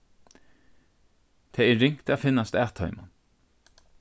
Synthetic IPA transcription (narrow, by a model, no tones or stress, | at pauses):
t̪ʰeːeːɹʏŋt̪ʰæːfɪnɑst̪æːt̪ʰɑ̰ʏmɑn